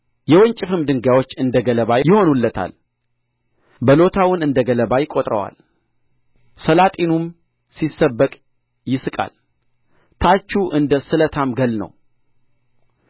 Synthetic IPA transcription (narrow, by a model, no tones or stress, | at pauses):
jɛwəɲt͡ʃʼɪfɨmd̪ɨŋɡawo̞t͡ʃːɨnd̪əɡələβajɪho̞nulːət̪ʰa̰l | bəlo̞t̪ʰawʊnɨnd̪əɡələbajkʼot̪ʼɾə̰wa̰l | səlat̪ʼinum | sisːəbːəkʼ | jɪsɨkʼa̰l | t̪ʰat͡ʃːuʔɨnd̪əsɨlət̪ʰamɡəlnə̰w